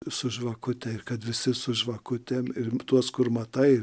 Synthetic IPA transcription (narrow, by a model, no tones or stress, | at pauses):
sʊʒʋɐkʊt̪ʲɛɪkɐt̪ʋʲɪsʲɪsʊʒʋɐkʊt̪ʲemɪrt̪uɔskʊrmɐt̪ɐɪ